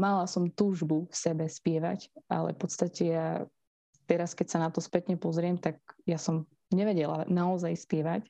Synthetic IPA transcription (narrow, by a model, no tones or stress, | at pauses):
malasɔmt̪uːʒbufsɛbɛspɪɛʋa̰cʔa̰lɛ̰fpɔt̪st̪acɛja | t̪ɛɾaskɛcsanat̪ɔspɛt̪ɲɛpɔzɾɪɛmt̪aɡ̚jasɔm | ɲɛʋɛɟɛla̰naɔzajspɪɛʋac